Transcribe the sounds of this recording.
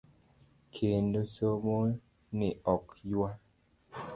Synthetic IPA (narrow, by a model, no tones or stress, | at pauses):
kʰendosomo | neɔkjwa